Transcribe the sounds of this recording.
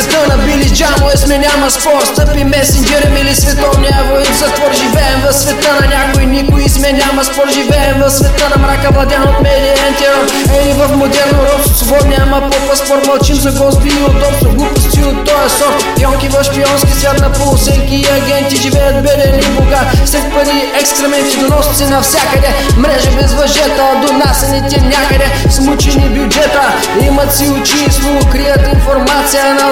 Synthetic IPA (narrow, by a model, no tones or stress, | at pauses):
ɛt̪ənɐbilid͡ʒamoɛsmɛnʲamɐspɔɾst̪əpimɛsind͡ʒɛɾɛmilisvɛt̪ɔvnʲiɐvoizɐt̪vɔɾʒivɛɛmvɐfsvɛt̪ənɐnʲakoinikʊismɛnʲamɐspɔɾʒivɛɛmvɐfsvɛt̪ənɐmɾakɐvlˠɐd̪ʲanot̪mɛd̪ijɐɛnt̪ɛ | ɛnivɐfmod̪ɛɾnoɾɔfsobɔt̪nʲamɐpɔpɐspɔɾmɐlˠt͡ʃimzɐɡɔst̪viiod̪ɔpst̪oɡupʊst̪iot̪ːɔjɛsɔɾ | piɔŋkʲivɐfʃpiɔnskʲisvʲat̪nɐpolˠʊsɛŋkʲiːɐɡʲɛnt̪iʒivɛjət̪̚bɛd̪ɛniboɡafsɛt̪pɐd̪i | ɛkst̪ɾɛmɛnt̪id̪onɔsi̥t̪ɛnɐfsʲjakɐd̪ɛ | mɾɛʒɐbɛzvɐʒɛt̪əd̪onasɛnit̪ɛnʲakəd̪ɛ | smut͡ʃɛnibjʊd͡ʒɛt̪ə | imɐt̪siʊt͡ʃisokɾijɐt̪infoɾmat̪sijənɐ